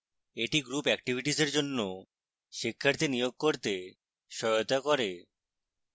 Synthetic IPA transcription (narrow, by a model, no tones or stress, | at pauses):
eʈiɡɾupɛk̚ʈibʱiʈizeɾd͡ʑonːo | ʃikʰːaɾt̪inijoɡ̚koɾt̪e | ʃɔot̪akoɾe